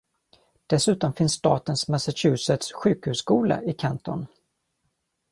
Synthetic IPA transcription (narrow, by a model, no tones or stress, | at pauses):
d̪̥ɛsʉ̟ːt̪ɔmfɪnsst̪ɑːt̪ənsmasat͡ʃʉːsət̪sɧʉ̟ːkhʉ̟ːskuːla̰ʔɪkʰant̪ɔn